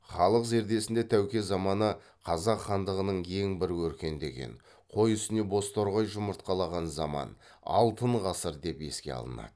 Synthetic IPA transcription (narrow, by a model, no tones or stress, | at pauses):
χɑlˠəqze̞ɾd̪e̞sɪnd̪e̞t̪ʰæwkʲe̞zɑmɑnə | qʰɑzɑqχɑnd̪əʁənəɴe̞ŋbɪɾwɵɾkʲe̞nd̪e̞̰ɡʲe̞̰n | qʰo̞jʏst̪ɪne̞bo̞st̪o̞ɾʁɑjʒʊməɾt̪̚qɑlˠɑʁɑnzɑmɑ̰n | ɑ̰lˠt̪əɴʁɑsəɾd̪e̞pe̞̰skʲe̞̰ɑ̰lˠə̰nɑ̰d̪̥ə